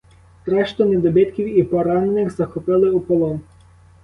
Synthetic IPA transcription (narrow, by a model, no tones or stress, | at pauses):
t̪ɾɛʃt̪ɔnɛd̪ɔbɪt̪kʲiwipɔɾannɪxzɐxɔpɪlˠɪupɔlˠɔn